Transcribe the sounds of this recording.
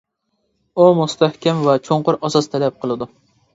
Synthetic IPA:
umust̪ʰæhkʲɛmvɛt͡ʃʰoɴqʊɾɑsɑst̪ʰælɛp̚qʰəlˠɨd̪ʊ

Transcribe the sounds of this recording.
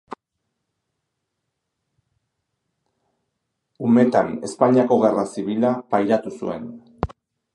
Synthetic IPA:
ume̞t̪ane̞spaɲiako̞ɣe̞rasiβilapajɾat̪usue̞̰n

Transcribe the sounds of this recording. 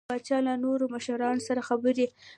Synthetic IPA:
ɑt͡ʃɑlanoɾomaʃaɾɑnosaɾaxabəɾi

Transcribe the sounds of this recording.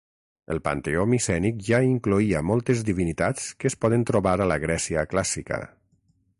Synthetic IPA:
əlˠpa̰nt̪eomisɛnik̚ʒaiŋkluiəmɔlˠt̪ezd̪iβinit̪at͡skəspɔðənt̪ɾuβaɾaləɣɾɛsiəklasikə̰

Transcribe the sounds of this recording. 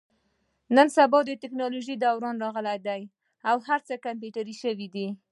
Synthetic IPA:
nənsabɑd̪ət̪ɪknɑloʒid̪awɾɑnɾɑɣəlajd̪aj | awhaɾt͡səkamp̬juʈaɾiʃəwid̪i

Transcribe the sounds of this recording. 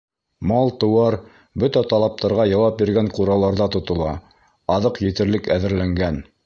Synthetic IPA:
mɑlˠt̪ɤ̆wɑɾ | bɵt̪æt̪ɑlˠɑp̚t̪ɑɾʁɑjɑwɑp̚biɾɡæɴquɾɑlˠɑɾðɑt̪ŏt̪ɤ̆lˠɑ | ɑðɤqjɘ̆t̪ɘ̆ɾlɘkæðɘ̆ɾlæŋɡæn

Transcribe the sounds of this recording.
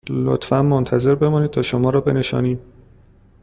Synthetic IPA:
lo̰t̪fænmont̪ʰæze̞ɾbe̞mɒːniːt̪ʰɒːʃomɒːɾɒːbe̞ne̞ʃɒ̰ːniːd̪̥̚

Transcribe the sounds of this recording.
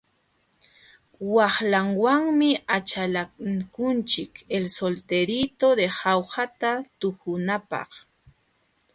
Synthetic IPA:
wɑχlaŋwaŋmɪat͡ʃalakʊnt͡ʃɪkelsolt̪eɾit̪od̪ehɑwhat̪at̪ʊkʊnapɑ̰χ

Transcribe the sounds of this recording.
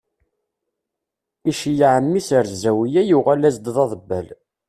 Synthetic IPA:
iʃjəʕənmisəɾzæwijæjuʁælæzd̪ðˤɑðˤəbːæl

